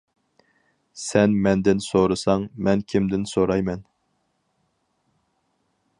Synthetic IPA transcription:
sɛnmɛnd̪ɪnsoɾɨsɑŋmɛnkʲʰimd̪ɪnsoɾɑjmɛn

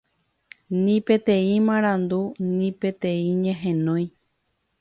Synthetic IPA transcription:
nĩpe̞t̪ẽ̞ĩmãɾ̃ãnd̪unĩpe̞t̪ẽĩɲẽɦẽnõj̃

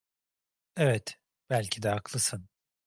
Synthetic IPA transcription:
ɛvɛt̪ | b̥ælʲcʰid̪ɛaklˠɯsɯn

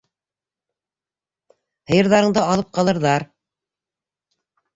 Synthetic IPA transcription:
hɤ̆jɤ̆ɾðɑɾɤ̆ɴd̪ɤɑlˠɤp̚qɑlˠɤ̆ɾðɑɾ

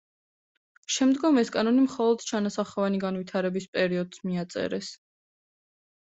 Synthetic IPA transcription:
ʃɛmd̪ɡɔmɛskʼanɔnimχɔlˠɔd̪̥t͡ʃʰanasaχɔvaniɡanvit̪ʰaɾɛbispʼɛɾiɔd̪z̥miat̪sʼɛ̰ɾɛs

